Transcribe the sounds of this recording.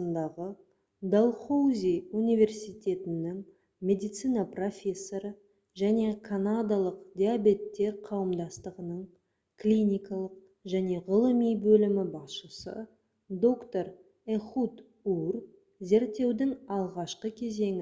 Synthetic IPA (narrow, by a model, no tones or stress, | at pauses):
nd̪ɑʁə | d̪alˠχowzʲijunijvʲe̞rsijt̪ʲe̞t̪ɪnːɪŋ | mʲe̞d̪ijt̪sijnapro̞fʲe̞sːo̞ɾə | ʒæne̞kʰanad̪alˠəqd̪ʲiabe̞t̪ːe̞ɾqʰɑwəmd̪ɑst̪əʁənəɴ | klʲinʲijkɑlˠəq̚ | ʒæne̞ʁəlˠəmijbɵlɪmɪbɑsʃəsə̰ | d̪o̞kt̪o̞ɾ | eχut̪ | ur | ze̞ɾt̪ːe̞wd̪ɪŋɑlˠʁɑʃqəkʲʰe̞ze̞ŋɪ